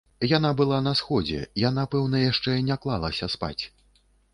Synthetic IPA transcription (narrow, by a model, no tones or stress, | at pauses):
janabɨlˠan̪ɐsxɔd͡zʲɛ̰janapɛwnɐjaʂt͡ʂɛnʲaklˠalˠɐsʲɐspa̰t͡sʲ